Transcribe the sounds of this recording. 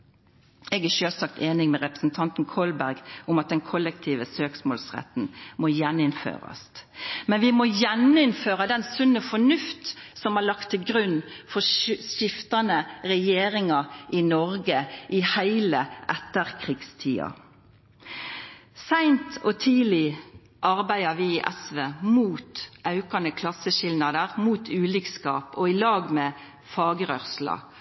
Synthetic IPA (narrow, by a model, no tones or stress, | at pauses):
ɛːɡæʃøːlsɑk̚t̪eːnɪŋmɛʁɛpə̥sn̩t̪ʰɑnt̪n̩kʰɔlbæɾɡʊmɑt̪̚d̪ɛnkʰɔlːəkt̪ʰiːʋəsøːksmoːlsʁɛ̰t̪n̩mojɛnːɪnfø̰ːʁɑ̰st̪mɛnʋɪmoːjɛnɪnføːʁəd̪ɛnsʉnːəfɔnʉft̪sɔmhɑɭɑkt̪ʰːɪlɡɾʉnːfɔʃɪft̪ɑnəɾɛjeːɾɪŋɑʔɪnɔɾɡəʔihæɪləʔɛt̪ːəʁkʰʁɪɡst̪ʰḭːɑ̰ | sæɪnt̪ʰɔt̪ʰiːlɪ | ʔɑʁbæɪəʋɪiʔɛsʋeːmuːt̪ʔɑʉkɑnəkʰlɑsəʃɪlnɑd̪əʁmuːt̪ʰʉːlikskɑːpɔɪlɑːɡmeː | fɑːɡəʁœʁslɑ̰